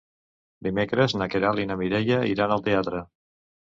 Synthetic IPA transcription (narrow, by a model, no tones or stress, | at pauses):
d̪imekɾəznəkeɾalinəmiɾeʎəiɾanəlˠt̪eat̪ɾə